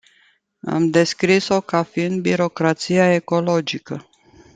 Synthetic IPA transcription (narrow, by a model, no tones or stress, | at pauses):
a̰md̪e̞skɾiso̞kafiɨnd̪̚biɾo̞kɾat̪sijae̞ko̞lo̞d͡ʒikə